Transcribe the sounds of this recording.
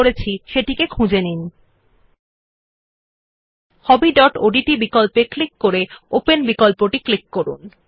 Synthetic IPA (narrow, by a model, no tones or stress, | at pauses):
oɾet͡ɕʰiʃeʈikekʰũd͡ʑenin | hɔbiɖɔʈoɖiʈibikolpeklikːoɾeopenbikolpoʈiklikːoɾṵn